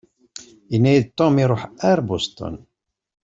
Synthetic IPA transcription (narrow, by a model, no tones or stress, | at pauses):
inːæjid̪̚t̪omiɾˤoħæɾbost̪ˤɔ̰n